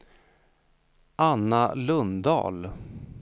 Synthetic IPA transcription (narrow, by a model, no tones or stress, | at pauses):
ʔanːalɵnd̪ɑ̰ːl